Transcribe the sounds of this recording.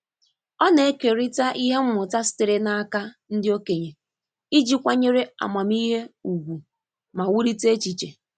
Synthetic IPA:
ɔ˦ne˨e˦ke˨ɾɪ˦ta˦ʔi˦ɦe˦m̩˦mʊ˨ta˦sɪ̥˦tɪ˨ɾɪ˦na˦a˦ka˦n̩˦dɪ˦o˦ke˨ɲe˨ | i˦d͡ʒi˦kʷa˦ɲe˦ɾe˦a̰˨ma˨m˦i˦ɦe˦u˨ɡʷu˨ | ma˨wu˦ɾi˦te˦t͡ʃi˨t͡ʃe˨

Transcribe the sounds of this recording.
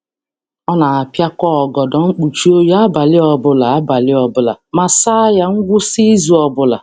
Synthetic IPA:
ɔ˦na˨a˨pja˦kʷɔ˦ɔ˨ɡɔ˨dɔ˨ŋ͡m̩˦k͡pu˨t͡ʃu˦o˦ja˦ba˨lɪ˦ɔ˨bʊ˦la˨a˦ba˨lɪ˦ɔ˨bʊ˦la˨ma˨sa˦ja˦ŋ̩˦ɡʷʊ˦si˦zu˨ɔ˨bʊ˦la˨

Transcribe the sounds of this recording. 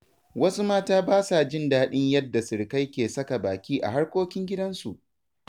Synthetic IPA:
wɐ˦su˦maː˦taː˦baː˦sa˨d͡ʒɪ˦nda˨˦ɗɪ˦ɲjɐ˦dːa˨sɪ˨ɽka˦jkʲeː˨sɐ˦ka˨baː˨kʲiː˦ʔa̰˨ɦa˦ɽkʷoː˦kʲɪ˦ŋɡʲɪ˦dɐ˦nsu˨ʔ

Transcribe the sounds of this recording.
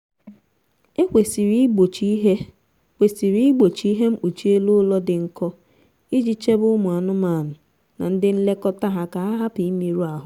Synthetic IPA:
e˦kʷe˨si˨ɾi˦ɡ͡bo˨t͡ʃi˦ɦe˦ | kʷe˨si˨ɾi˦i˦ɡ͡bo˨t͡ʃi˨˦i˦ɦe˦m̩˦u˨t͡ʃi˦e˦lu˦lɔ˦dɪ˨ŋ̩˨kɔ˦ | i˦d͡ʒi˦t͡ʃe˦bʊ˦mu˨a˨nʊ˦maː˨nʊ˨ | na̰˨n̩˦dɪ˦n̩˦le˦kɔ˦ta˦ɦa˦ka˨a˦ɦa˦pi˨˦mi˦ɾu˦a˨ɦʊ˨

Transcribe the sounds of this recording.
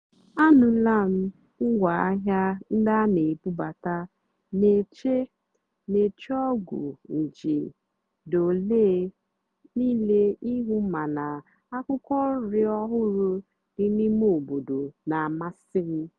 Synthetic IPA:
a˦nʊ̃˨˦la˦˨m̩˦ | ʊ˦wa˨a˦ɦa˦n̩˦da˦ne˨bu˦ba˨ta˦ | ne˨t͡ʃe˦ | ne˨t͡ʃɔ˦ɡṵ˨n̩˨d͡ʒḭ˨ | do˨le˦ | ni˦le˦i˦ɦu˦ma˨na˨ | a˦kʊ˦kɔ˦n̩˦ɾɪ˦ɔ˦ɦʊ˦ɾʊ˦ | di˦ni˦mo˦˨bo˨do˨na˨a˨ma˦sɪ˦ɾɪ˦

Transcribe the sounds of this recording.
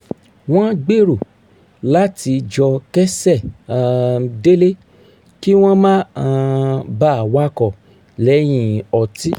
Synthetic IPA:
w̃ɔ̃˦ɡ͡be˦ɾu˨ | la˦ti˧d͡ʒɔ˧kɛ˦sɛ˦˨ | de˦le˦ | ki˦w̃ɔ̃˦mã˦ã˧ba˦˨wa˦kɔ˨ | lɛ˨˦j̃ĩ˧˨ɔ˨ti˦

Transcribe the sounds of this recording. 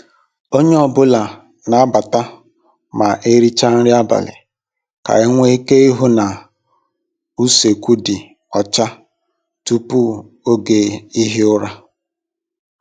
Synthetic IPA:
o˦ɲe˦ɔ˨bʊ˦la˨ | na˨a˦ba˨ta˦ | ma˨ʔe˦ɾi˦t͡ʃa˦n̩˦ɾɪ˦a˦ba̰˨lɪ̰˨ | ka̰˨ɪ˦ŋʷe˦i˦ke˦i˦ɦʊ˦na˨ | u˦se˨kʷu˦dɪ˨ | ɔ˨t͡ʃa˦ | tu˦pu˦ | o˦ɡe˨i˦ɦɪ˦ʊ˦ɾa˦

